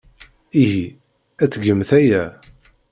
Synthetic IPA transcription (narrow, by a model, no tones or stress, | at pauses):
iɦi | æt͡sːɡəmθæjæ